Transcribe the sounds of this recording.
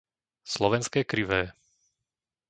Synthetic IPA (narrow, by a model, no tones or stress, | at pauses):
slɔʋɛnskɛːkɾiʋɛː